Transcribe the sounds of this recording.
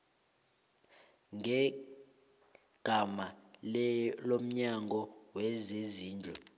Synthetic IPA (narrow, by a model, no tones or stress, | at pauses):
ŋʱɛ | ɡ̥ʱamallom̩ɲaŋɔwɛzeziːnd͡ɮʱɔ̰